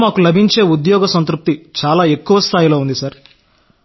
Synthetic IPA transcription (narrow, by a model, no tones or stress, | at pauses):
maːkulɐbʱiɲt͡ʃe̞ːud̪jɔːɡɐsɐnt̪ɾup̚t̪it͡ʃaːlaːe̞kːuʋɐst̪ʰaːjilo̞ːund̪isɐɾ